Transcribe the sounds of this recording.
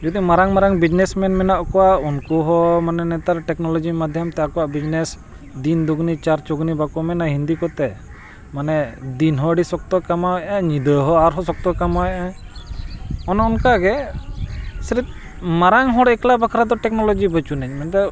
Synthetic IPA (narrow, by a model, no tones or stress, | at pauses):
d͡ʒɔd̪imaɾaŋmaɾaŋbid͡ʒnɛsmɛnmɛnaʔkɔwaʔunkuɦɔmanɛnɛt̪aɾʈɛknɔlɔd͡ʒimad̪ʱjamt̪ɛakɔwaʔbid͡ʒnɛs | d̪ind̪uɡnit͡ʃaɾt͡ʃɔɡnibakɔmɛnaɦind̪ikɔt̪ɛ | manɛd̪inɦɔɖisɔk̚t̪ɔkamawɛʔaɲid̪əɦɔaɾɦɔsɔk̚t̪ɔkamawɛjʔa | ɔnɔunkaɡɛ | sɾit̪̚ | maɾaŋɦɔɽɛklabakʰaɾad̪ɔʈɛk̚nɔlɔd͡ʒibət͡ʃunɛɲmɛnt̪ɛ